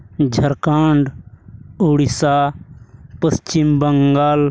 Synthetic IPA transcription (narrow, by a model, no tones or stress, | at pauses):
d͡ʒʱəɾkaːɳɖ | uɽisaː | pəst͡ʃimbəŋɡaːl